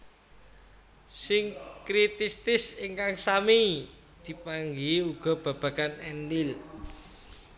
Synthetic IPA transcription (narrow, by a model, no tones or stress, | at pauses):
sɪŋkɾit̪ist̪ɪsiŋkaŋsami | d̪̥i̤paŋɡiuɡ̥ɔ̤b̥a̤b̥a̤kanɛndil